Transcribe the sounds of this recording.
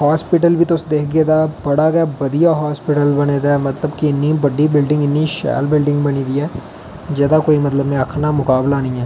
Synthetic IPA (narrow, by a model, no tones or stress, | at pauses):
ɦaːspɪʈəlʋiːt̪ʊsd̪eːkʰɡeːd̪aːbəɽaːɡɛbəd̪ijaːɦaːspɪʈəlbəneːd̪aːɛmət̪ləbkiɪnːiːbəɖiːbɪlɖɪ̃ŋɡɪnːiːʃɛ̰ːlbɪlɖɪ̃ŋɡbəniːd̪iːɛː | d͡ʒɛːd̪aːkoːimət̪ləbmẽəkʰnamʊkaːblaːnĩːɛː